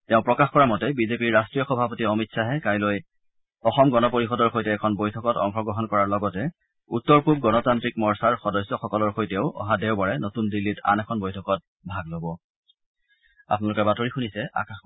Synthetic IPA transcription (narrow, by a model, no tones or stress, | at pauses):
tɛ̃ʊ̃pɹɔkaxkɔɹamɔtɛbizepiɹːastɹijɔxɔbʱapɔtiɔmitsaɦɛkajloj | ɔxɔmɡɔnɔpoɹixɔdɔɹxojtɛːkʰɔnbojtʰɔkɔtɔ̰ŋxɔɡɹɔɦɔnkɔɹaɹlɔɡɔtɛ | utːɔɹpub̚ɡɔnɔtantɹikmɔɹsaɹxɔdɔsɔxɔkɔlɔɹxojtɛʊʔɔ̰ɦadɛwbaɹɛnotundilːita̰nɛkʰɔnbojtʰɔkɔt̚ | bʱaɡlobɔ | a̰pnɔlʊkɛbatoɹixunisɛʔa̰kax